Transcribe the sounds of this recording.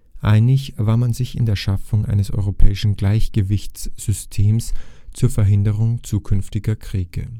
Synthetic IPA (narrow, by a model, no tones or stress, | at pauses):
ʔaɪnɪçv̥aːɐmanzɪçɪ̰ndeːɐʃafʊŋʔa̰ɪnəsʔɔ̰ʏʁopʰɛːɪʃn̩ɡlaɪçɡ̥əvɪçt͡sz̥ʏstʰeːmst͡suːɐfɛɐɦɪndəʁ̞ʊŋt͡suːkʰʏnftɪɡɐkʁ̥iːɡ̥ə̰